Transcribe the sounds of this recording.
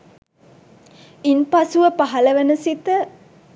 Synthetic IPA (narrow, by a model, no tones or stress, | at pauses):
inpɐsuʋəpaɦɐlɐʋenəsit̪ə